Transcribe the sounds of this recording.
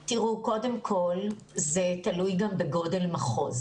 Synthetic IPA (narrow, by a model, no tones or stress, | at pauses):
tiʁuko̞de̞mkʰo̞l | zetɐlujɡambeɡo̞de̞lmaχo̞̰z